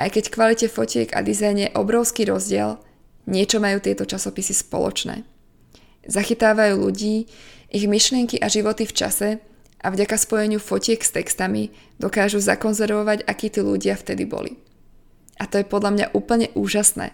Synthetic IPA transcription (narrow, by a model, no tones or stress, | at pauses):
ʔa̰jkɛckʋalicɛfɔcɪɛɡa̰d̪izajnjɛʔɔbɾɔʊskiːɾɔzɟɪɛl | ɲɪɛt͡ʃɔmajuːt̪ɪɛt̪ɔt͡ʃasɔpisispɔ̰lɔ̰t͡ʃnɛ̰ː | zaxit̪aːʋajuːʎuɟiːʔiɣmiʃlɪɛŋkiʔaʒiʋɔt̪ift͡ʃa̰sɛ | ʔavɟakaspɔjɛɲɪufɔcɪɛɡst̪ɛkst̪ami | d̪̥ɔkaːʒuzakɔnzɛɾʋɔʋaɟakiːt̪iːluɟɪaft̪ɛd̪ibɔ̰lḭ | ʔat̪ɔjɛpɔd̪ʎamɲa̰ʔuːpl̩ɲɛʔuːʒasnɛ̰ː